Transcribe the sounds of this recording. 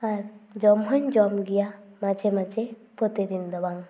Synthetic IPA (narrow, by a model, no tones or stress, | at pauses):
aɾd͡ʒɔmɦɔɲd͡ʒɔmɡijamat͡ʃʰemat͡ʃe | pɔt̪ed̪ind̪ɔbaŋ